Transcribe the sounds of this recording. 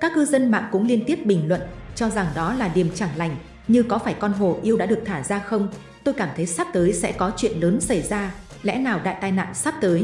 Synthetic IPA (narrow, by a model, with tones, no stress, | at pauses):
kaː˦˥k̚ːɨ˧zə˧nma̰ː˧˨ŋkʊ̰˧˥ŋ͡mli˧ənt̪i˦˥əp̚ɓï˨˩ŋ̟lwə̰˧˨nt͡ɕɔ˧za˨˩ŋɗɔ˨˦laː˨˩ɗi˨˩əmt͡ɕaː˧˩ŋla˧˩jŋ̟ | ɲɨ˧kɔ˨˦faː˧˩jkɔ˧nɦo˨˩ʔi˧əwɗa̰ː˧˥ɨ˨˩ək̚t̪ʰaː˧˩zaː˧xə˧wŋ͡m | t̪o˧jkaː˧˩mt̪ʰə˨˦jsaː˦˥p̚t̪əː˨˦jsɛ̰˧˥kɔ˨˦t͡ɕwḭ˧˨ənləː˨˦nsa˧˩jzaː˧lɛ̰˧˥naː˨˩wɗa̰ː˧˨jt̪aː˧jna̰ː˧˨nsaː˦˥p̚t̪əː˨˦j